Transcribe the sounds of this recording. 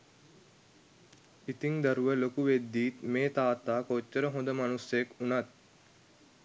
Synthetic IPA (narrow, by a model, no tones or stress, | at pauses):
it̪iŋd̪ɐɾuʋəlokuʋed̪ːiːt̪meːt̪aːt̪aːkot͡ʃːəɾəɦõnd̪əmanusjekunɐt̪̚